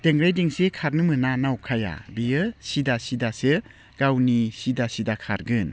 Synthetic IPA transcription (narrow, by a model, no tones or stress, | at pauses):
d̥eŋɾajdiŋsekʰaɾnɯmɯnanawkʰaja̰bijɯsidasidasɯ | ɡ̥awnisidasidakʰaɾɡɯn